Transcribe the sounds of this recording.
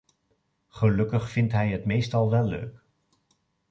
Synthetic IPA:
χəlɵkəχfɪntɦɛjɦətmejstɑlˠʋɛlːø̰ɥk

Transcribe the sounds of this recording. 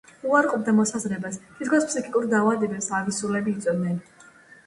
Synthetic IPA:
uaɾqʼɔb̚d̪amɔsazɾɛbaspʰit̪ʰkʰɔspʰsikʼikʼuɾd̪avad̪ɛbɛpsavisulɛbiːt̪sʼɔd̪nɛn

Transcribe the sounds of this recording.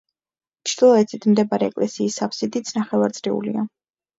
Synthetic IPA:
t͡ʃʰɾd̪ilˠɔɛt̪sʰit̪ʰmd̪ɛbaɾɛɛ̰kʼlɛsiːsapʰsid̪it̪sʰnaχɛvaɾt̪sʼɾiṵlḭa

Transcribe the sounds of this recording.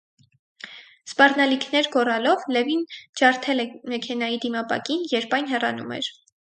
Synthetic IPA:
spɑrnɑlikʰnɛɾɡɔrɑlɔvlɛvind͡ʒɑɾt̪ʰɛlɛmɛkʰɛnɑjid̪imɑpɑ̰kinjɛɾpɑjnɦɛrɑ̰numɛ̰ɾ

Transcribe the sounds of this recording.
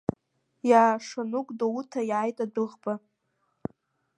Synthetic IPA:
jaːʂanukʷʼdowutʰajaːjtʼadɨʁba

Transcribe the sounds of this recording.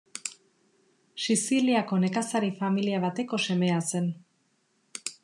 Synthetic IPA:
sisiliako̞ne̞kasaɾifamiliaβat̪e̞ko̞se̞me̞ase̞n

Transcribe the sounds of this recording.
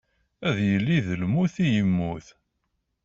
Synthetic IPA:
æðjəlːiðəlmuθijəmːuθ

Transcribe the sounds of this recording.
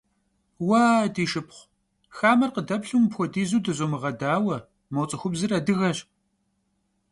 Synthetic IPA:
waːdiːʃɨpχʷ | xaːmɐrqədɐpɬumpxʷɔdiːzuːdɨzʷʼomɨʁɐdaːwɐ | mɐwt͡sʼɨxʷʊbzɨrɐdɨɣɐɕ

